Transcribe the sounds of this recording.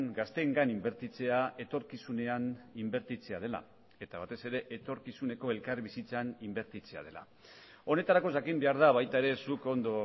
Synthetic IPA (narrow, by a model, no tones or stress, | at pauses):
ŋɡast̪e̞ːŋɡanimbe̞ɾt̪it͡se̞ae̞t̪o̞ɾkisune̞animbe̞ɾt̪it͡se̞að̞e̞la̰ | e̞t̪aβ̞at̪e̞se̞ɾe̞ʔet̪o̞ɾkisune̞ko̞elkaɾβisit͡sanimbe̞ɾt̪it͡se̞a̰ð̞e̞la̰ | o̞ne̞t̪aɾako̞sakimbe̞aɾð̞aβ̞ajt̪ae̞ɾe̞suko̞nd̪o̞